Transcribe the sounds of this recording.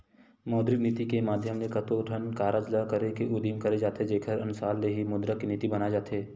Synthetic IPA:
mɔːd̪ɾɪkniːt̪ikemaːd̪ʱjəmnekɐt̪oʈʰənkaːɾad͡ʒlakɐɾekeʔʊd̪imkɐɾed͡ʒaːt̪ed͡ʒeːkʰəɾɐnʊsaːlːeɦimɔːd̪ɾəkeniːt̪ibɐnad͡ʒaːt̪eː

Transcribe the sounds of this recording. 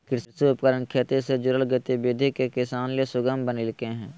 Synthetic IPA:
kɪɾɾsiʊpkəɾənkʰeːt̪esed͡ʒʊɾəlɡɪt̪ebeːd̪ʱɪkːekɪsaːnleːsʊɡəmbənɪlkẽːɦɛ̃ː

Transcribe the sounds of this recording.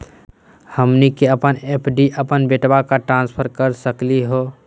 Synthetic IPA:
həmnikeəpəneːpʰɖiʔəpənbeʈbakaʈɾãːnspʰəɾkəɾsəkliɦoː

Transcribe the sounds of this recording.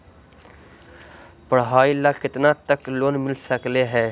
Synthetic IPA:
pəɽɦaːilaːkɪt̪nat̪əkloːnmɪlsəkleɦɛː

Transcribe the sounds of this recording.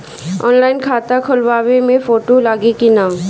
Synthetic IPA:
ɔ̰ːnlaːɪnkʰaːt̪akʰʊlʋaːʋemẽfoːʈolaːɡikinaː

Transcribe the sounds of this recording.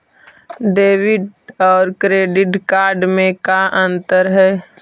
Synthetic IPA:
ɖeːʋɪɖɔːɾkɾeːɖɪʈkaːɾɖmẽkaʔə̃nt̪əɾɦɛː

